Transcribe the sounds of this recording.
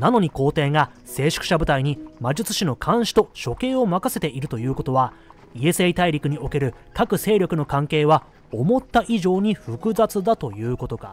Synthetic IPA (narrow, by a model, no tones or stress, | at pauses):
nano̞ɲ̟iko̞ːt̪e̞ːŋase̞ːɕɨ̥kɯ̟̥ɕabɯ̟t̪aiɲ̟imad͡ʑit͡sɨ̥ɕino̞kʰãɰ̃ɕi̥t̪o̞ɕo̞ke̞ːo̞makase̞t̪e̞ʔiɾɯ̟t̪o̞jɯ̟ːko̞t̪o̞βa | ie̞seit̪aiɾʲikɯ̟ɲ̟io̞ke̞ɾɯ̟ | kakɯ̟se̞ːɾʲo̞kɯ̟no̞kãŋke̞ːβa | o̞mo̞t̪ːaʔiʑo̞ːɲ̟iɸɯ̟kɯ̟zat͡sɨd̪at̪o̞jɯ̟ːko̞t̪o̞ka̰